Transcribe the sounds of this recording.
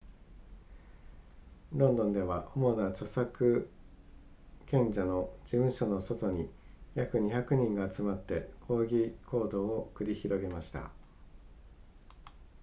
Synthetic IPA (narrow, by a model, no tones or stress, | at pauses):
ɾõ̞nd̪õ̞nd̪e̞βaʔo̞mo̞nat͡ɕo̞sakɯ̟ | kẽ̞ɲd͡ʑano̞d͡ʑibɯ̟̃ɰ̃ɕono̞so̞t̪o̞ɲ̟ijakɯ̟ɲ̟içakɯ̟ɲ̟ĩŋɡaːt͡sɨmat̪ːe̞kʰo̞ːɡʲikʰo̞ːd̪o̞ːkɯ̟ɾʲiçiɾo̞ɡe̞maɕi̥t̪a̰